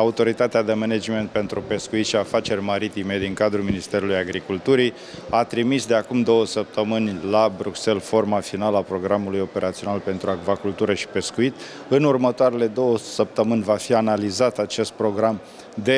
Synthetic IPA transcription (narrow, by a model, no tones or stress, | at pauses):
aut̪o̞ɾit̪at̪ead̪e̞mened͡ʒme̞nt̪̚pe̞nt̪ɾupe̞skuit̪ʃiafat͡ʃe̞rʲmaɾit̪ime̞d̪iŋkad̪ɾulminist̪e̞ɾulujaɡɾikult̪uɾi | at̪ɾimisd̪e̞akumd̪o̞wəsəp̚t̪əmɨnʲlabɾukse̞lfo̞rmafinaləapɾo̞ɡɾamulujo̞pe̞ɾat̪sio̞nalpe̞nt̪ɾuaɡvakult̪uɾəʃi̥pe̞skuit̪ | ɨnurmət̪oaɾe̞le̞d̪o̞wəsəp̚t̪əmɨnʲvafianalizat̪at͡ʃe̞st̪̚pɾo̞ɡɾam | d̪e̞